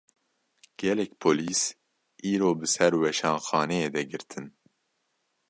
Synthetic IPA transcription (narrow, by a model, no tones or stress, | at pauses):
ɡ̥ɛlɛkpʰoːliːs | ʔiːɾoːbɨsɛɾwɛʃɑːnxɑːnɛjeːd̪ɛɡɨɾt̪ʰɨn